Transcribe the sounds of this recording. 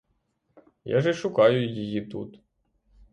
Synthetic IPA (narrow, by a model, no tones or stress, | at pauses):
ja̰ʒɛʃʊkɑjʊjjɪjit̪ṵt̪